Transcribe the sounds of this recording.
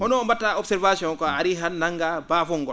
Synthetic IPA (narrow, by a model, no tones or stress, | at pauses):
hɔnɔmbatːaɔbsɛɾvasiɔ̃nkɔaɾiɦannaŋɡabaːfɔŋɡɔ